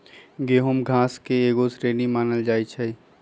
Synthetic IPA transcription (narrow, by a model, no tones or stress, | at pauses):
ɡeːɦumɡʱãːskeeːɡosɾeːnimaːnəld͡ʒaːit͡ʃʰɛ